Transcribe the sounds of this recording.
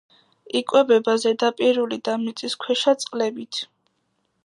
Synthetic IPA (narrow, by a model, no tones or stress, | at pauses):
ikʼwɛbɛbazɛd̪apʼiɾulid̪amit̪sʼiskʰwɛʃat̪sʼqʼlɛbit̪ʰ